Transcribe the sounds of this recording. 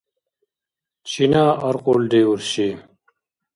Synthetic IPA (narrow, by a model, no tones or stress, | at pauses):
t͡ɕʰinaːɐɾqold̪euɾɕi